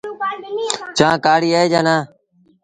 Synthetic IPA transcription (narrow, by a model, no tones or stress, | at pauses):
t͡ʃãːkaːɽiːaːeːd͡ʒaːnaː